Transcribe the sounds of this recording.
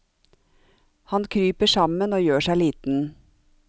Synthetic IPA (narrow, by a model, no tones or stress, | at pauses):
hɑnkʰɾyːpəʃɑmənoːjøːʃæɪliːt̪n̩